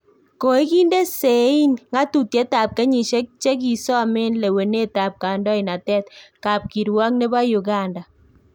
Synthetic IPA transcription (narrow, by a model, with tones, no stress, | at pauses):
ko˨i˦ki˦nde˦se˨i˦nŋa˦tu˨tje˦ta˨p̚ke˦ɲi˨ʃe˦k̚t͡ʃe˦k̬i˨sɔ˦mɪ˦nle˨we˨ne˦ta˨p̚ka˨ndɔ˦i˨na˨tɛ˦tka˨p̚ki˨ɾwɔ˦k̚ne˦βa˦ju˨ɡa˦nda˨